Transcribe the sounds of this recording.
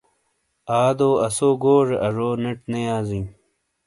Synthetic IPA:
aːd̪oːɐsoːɡoːʐeʔɐʐoːneʈnejaːzĩː

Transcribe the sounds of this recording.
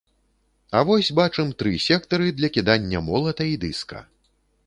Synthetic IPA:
ɐvɔsʲbat͡ʂɛmt̪ɾɨsʲɛkt̪ɐɾɨd̪lʲɐkʲid̪anʲːɐmɔlˠɐt̪ɐid̪ɨskɐ̰

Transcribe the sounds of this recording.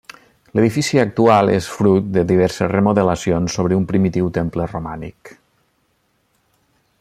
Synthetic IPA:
ləðifisiək̚t̪ualˠesfɾut̪̚d̪əðiβ̞ɛɾsəsrəmuðələsionsːoβ̞ɾəumpɾimit̪iwt̪emplərumanḭk

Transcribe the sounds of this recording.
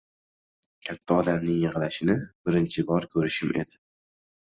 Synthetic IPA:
kʲʰat̪ʰːaɒd̪amnɪŋjɨʁlaʃɪnɪbɪɾɪnt͡ʃʰɪbɒɾkʲʰɵɾɪʃɪmʔed̪ɪ

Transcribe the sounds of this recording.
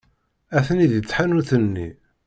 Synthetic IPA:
æθniðjət͡sːħanunθənːḭ

